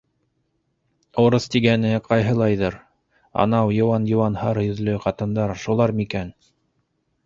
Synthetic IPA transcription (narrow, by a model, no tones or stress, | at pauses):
oɾɤst̪iɡænɘqɑjɦɤ̆lˠɑjðɤɾ | ɑ̰nɑwjŏwɑnjŏwɑnhɑɾjɵ̆ðlɵqɑt̪ɤ̆nd̪ɑɾʃulˠɑɾmikæn